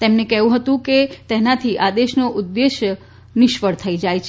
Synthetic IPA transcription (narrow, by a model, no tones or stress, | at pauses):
t̪emnekɛɦũɦət̪ũket̪ɛnat̪ʰiʔad̪eʃnoʔʊd̪ːeʃ | nɪʃʋəɽt̪ʰəid͡ʒajt͡ʃʰ